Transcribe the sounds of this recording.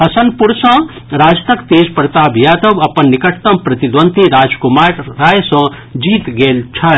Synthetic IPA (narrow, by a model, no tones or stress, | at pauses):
ɦɐsɐnpuɾsɐ̃ | ɾaːd͡ʒt̪ɐkt̪eːd͡ʒpɐɾt̪abʱijaːd̪ɐbɐpɐnːɪkɐʈt̪ɐmpɾɐt̪id̪ʋɐ̃nt̪iɾaːd͡ʒkumaːɾɾaːjsɐ̃ | d͡ʒiːt̪ɡeːlt͡ʃʰɐ